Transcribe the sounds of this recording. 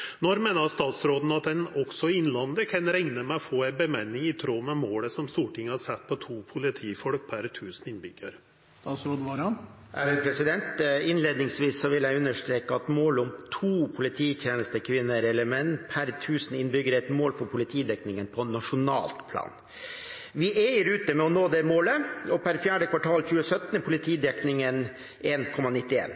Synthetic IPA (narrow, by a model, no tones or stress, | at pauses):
nɔɾmeːnəst̪ɑːt̪sɾoːd̪n̩ɑt̪̚d̪ɛnɔksɔɪnlɑnd̪əkʰɛnɾɛŋnəmæfoːæɪbəmɛnːɪŋɪt̪ʰɾoːmɛmoːləsɔmst̪uːʈʰɪŋːəhɑɾsɛt̪̚ːpʰɔt̪ʰuːpʰʊlɪt̪ʰiːfɔlk̚pʰæɾt̪ʰʉːsn̩ɪnbʏɡə̰ɾ | st̪ɑːt̪sɾoːd̪əʋɑɾɑn | ʔæːɾɪpʰɾɛsɪd̪ɛnt̪ɪnleːd̪nɪŋsʋiːsːɔʋɪlæɪʉnːəʂt̪ɾeːkəɑt̪moːlɔmt̪ʰuːpʰʊlɪt̪ʰiːt̪ʰjeːnəst̪əkʰʋɪnːəɾɛləmɛnpʰæɾt̪ʰʉːsnɪnbʏɡəɾəɛt̪moːlfɔɾpʰʊlɪt̪ʰiːd̪ɛknɪŋənpʰɔnɑʂʊnɑ̰ːlt̪pʰlɑ̰ːn | ʋɪʔeɪəɾʉːt̪əmɛɔnoːd̪ɛmoːləɔpʰæɾfjæːɖəkʰʋɑʈʰɑːlçʉːəsœt̪npʰʊlɪt̪ʰiːd̪ɛknɪŋən | eːnkʰɔmːɑnɪt̪ːɪḛːn